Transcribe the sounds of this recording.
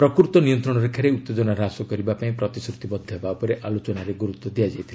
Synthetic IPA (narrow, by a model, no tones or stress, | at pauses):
pɾɔkuɾt̪ɔnijɔnt̪ɾɔɽ̃ɔɾekʰaɾeut̪ːed͡ʒɔnaɾasɔkɔɾibapaĩpɾɔt̪isɾut̪ibɔd̪ʱːɔɦebaupɔɾeʔʔalot͡ʃɔnaɾeɡuɾut̪ːɔd̪ijad͡ʒajt̪ʰile